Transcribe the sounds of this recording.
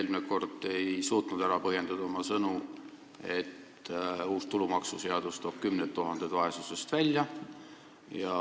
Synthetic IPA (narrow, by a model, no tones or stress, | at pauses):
elmneko̞rd̪̥e̞jsuːt̪nud̪æɾɑpɤɦje̞nd̪̥ɑd̪ɑomɑsɤnu | e̞t̪ | uːst̪ulumɑksuse̞ɑd̪̥ust̪o̞ːb̥kymnet̪ːuɦɑnd̪̥e̞d̪̥vɑe̞suse̞st̪vælʲjɑ | jɑ